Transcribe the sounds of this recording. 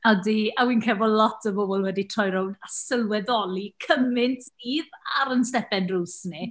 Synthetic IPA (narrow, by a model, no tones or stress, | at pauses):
ɔdiawiːnkʰɛbɔlɔtʰəbobɔlˠwɛditʰrɔjɾɔwnasəlˠwɛðɔlˠikʰəmɪntʰiːðaɾənstɛpɛdruːsnɪ